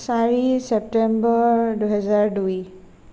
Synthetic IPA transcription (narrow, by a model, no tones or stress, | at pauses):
saɹisɛp̚tɛmbɔɹduɦɛzaɹduj